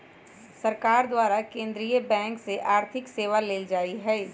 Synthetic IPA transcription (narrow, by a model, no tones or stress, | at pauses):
sɐɾkaːɾd̪waːɾakẽːnd̪ɾijəbɛ̃ːŋkseʔaːɾt̪ʰɪkseːʋaleːld͡ʒaːiɦɛː